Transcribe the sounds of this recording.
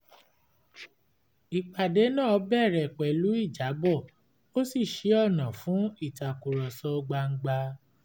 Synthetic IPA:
i˨k͡pa˨de˨˦nãː˦ɔ˧˦bɛ˦˨ɾɛ˨k͡pɛ˨lu˦i˦˨d͡ʒa˨˦bɔ˦˨ | o˦si˦˨ʃe˨˦ɔ˦˨nã˨fũ˨˦i˦˨ta˨ku˨ɾɔ˨sɔ˧ɡ͡ba˧ŋ̩˦ɡ͡ba˧

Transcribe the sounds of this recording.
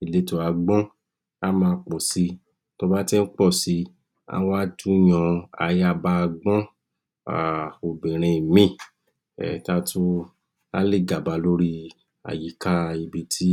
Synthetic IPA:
i˨le˨˦to˧a˧ɡ͡bɔ̃˦ | a˦mãː˧k͡pɔ˨si˧˦ | to˧ba˦ti˦n̩˦k͡pɔ˦˨si˨˧˦ | a̰˦wa˦du˦j̃ɔ̃˧a̰˧ja˦˨ba˧ɡ͡bɔ̃˦ | a̰˨o˨bĩ˨ɾ̃ẽ˧i˨mĩ˦˨ | ɛ̰˨ta˧tu˦ | a˦le˦˨ɡa˨ba˨˦lo˦ɾi˧ | a̰˨ji˨˦ka˦˧i˧bi˧tʰi˦

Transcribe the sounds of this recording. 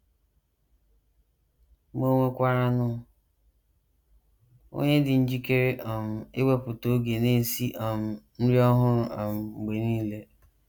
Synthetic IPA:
mo˦ŋʷe˦kʷa˦ɾa˦nʊ˦ | o̰˦ɲe˦dɪ˨n̩˦d͡ʒi˦ke˦ɾe˦ʔɔ˨m̩˨ɪ˦ɡ͡be˦pʊ˨to˨˦ɡe˨ne˦˨si˦ʔa˨m̩˨n̩˦ɾi˦ɔ˦ɦʊ˦ɾʊ˨a˨m̩˨ŋ͡m̩˨ɡ͡be˨niː˦le˦

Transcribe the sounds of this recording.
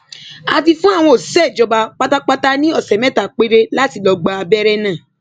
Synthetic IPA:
a˧fi˧fũ˦a˦˨w̃ɔ̃˧o˨sɛ˦˨d͡ʒɔ˧ba˧k͡pa˦ta˦k͡pa˧ta˦nĩ˦ɔ˦˨sɛ˨mɛ̃˦ta˨k͡pe˨˦ɾe˧la˦ti˧˨lɔ˧ɡ͡ba˧a˧bɛ˦ɾɛ˦nãː˦˨

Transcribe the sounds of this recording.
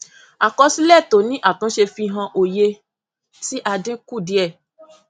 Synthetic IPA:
a˨kɔ˧si˦lɛ˦˨to˨˦nĩ˨˦ʔa˦˨tũ˨˦ʃe˧fĩ˧ɦã˧ʔo˨je˧ | si˦ʔa˧dẽ˦ku˦˨di˨˦ɛ˦˨

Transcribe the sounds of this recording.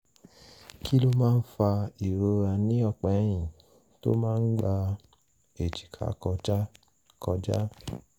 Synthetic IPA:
kʰi˦lo˦mãː˦n̩˦fa˧i˨ɾo˧ɾa˧nĩ˦ɔ˦˧˨k͡pɛ˨˦j̃ĩ˨ | to̰˦mãː˦˧n̩˦ɡ͡ba˧ | e˨d͡ʒi̥˨kʰa̰˨˦kɔ˧d͡ʒa˦ | kɔ˧d͡ʒa˦

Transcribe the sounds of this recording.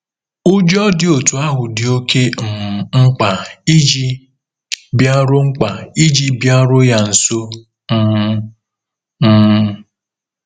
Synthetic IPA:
o˦d͡ʒɔ˦dɪ˨o˨tu˨a˦ɦʊ˨dɪ˨o˦kʰe˦m̩˨ŋ͡m̩˦k͡pa˨i˦d͡ʒi˦ | bja˦ɾʊ˦ŋ͡m̩˦k͡pa˨i˦d͡ʒi˦bja˦ɾʊ˦ja˨n̩˨so˦ | m̩˦

